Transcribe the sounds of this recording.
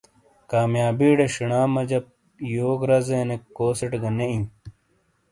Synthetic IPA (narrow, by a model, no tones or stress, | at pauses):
kaːmjaːbiːɖeɕiɳaːmɐd͡ʑɐp̚ | joːɡɾɐzenekːoːseʈɡɐneĩ